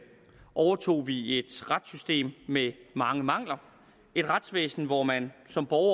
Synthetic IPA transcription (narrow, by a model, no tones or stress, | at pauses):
ʔɒʊɐt͡sʰo̝̰ːʋie̝d̥ʁad̥sysd̥e̝̰ːmːemɑ̈ŋəmɑ̈ŋ̰lɐ | e̝d̥ʁad̥sʋḛːsn̩ʋɒmænsɒ̽mb̥ɒʊɐ